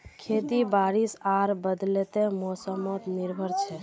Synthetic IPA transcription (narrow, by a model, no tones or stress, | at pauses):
kʰet̪ibaɾisaɾbəd̪lɛt̪emosəmət̪niɾbʱəɾt͡ʃʰɛ